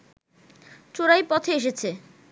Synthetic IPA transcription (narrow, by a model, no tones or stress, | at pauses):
t͡ɕoɾajpɔt̪ʰeeʃ̬et͡ɕʰe